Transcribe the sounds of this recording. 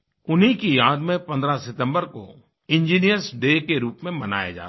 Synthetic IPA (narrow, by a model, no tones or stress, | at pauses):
ʊnɦĩkijaːd̪mẽpɐ̃nd̪ɾasɪt̪ə̃mbəɾko̰ | ɪ̃nd͡ʒiːnijəɾsɖeːkeɾuːpmẽbɐna̰ːja̰d͡ʒa̰ː